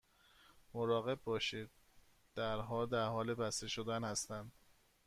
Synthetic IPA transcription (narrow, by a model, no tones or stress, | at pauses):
moɾɒːɣe̞b̚ːɒːʃiːd̪̚ | d̪̥æɾɦɒːd̪æɾhɒːlebæst̪eʃod̪ænhæst̪ænd̪